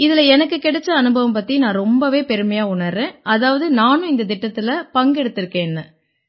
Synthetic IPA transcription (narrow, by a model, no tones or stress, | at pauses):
ɪðɪlɐɛnɐkːɯkɛɽɛt͡ʃːɐɐnɯbɐʋɐmpɐt̪ːinãːɾɔmbɐʋeːpɛɾɯmɐjaːʊɳɐɾːẽːʔɐðaːʋɐðɯnaːnʊ̃ɪnd̪ɐd̪ɪʈːɐt̪ːɪlɐpɐŋɡɛɽɯt̪ːɪɾɯkːẽːɛnːɐ